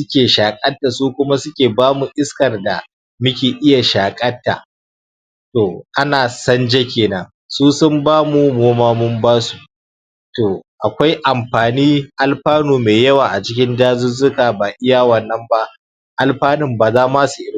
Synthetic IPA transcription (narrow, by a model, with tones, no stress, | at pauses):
sʊ˦kʲeː˨ʃaː˨kʼɐ˦tːa˨suː˦kʷʊ˦ma˦sʊ˦kʲeː˨baː˦mu˨ʔɪ˦skɐ˨rda˨ | mʊ˦kʲeː˨ʔɪ˦ja˨ʃaː˨kʼɐ˦tːa̰˨ | toː˨ʔa˦naː˨sɐ˦nd͡ʒe˦kʲeː˨nɐ˦ŋ | suː˦sʊ˦mbaː˦mu˨moː˦maː˦mʊ˦mbaː˦su˨ | toː˨ʔa˨kʷa˦jʔa˨mɸaː˨niː˦ʔa˨lɸaː˦nuː˨meː˨jɐ˦waː˨ʔa˨t͡ʃɪ˦k̬ʲɪ˦ndaː˦zʊ˦zʊ˦kaː˨baː˨ʔɪ˦ja˨wɐ˨nːɐ˦mba˦ʔ | ʔa˨lɸaː˦nɪ˦mbaː˨zaː˦maː˦su˨ʔɪ˦˨˦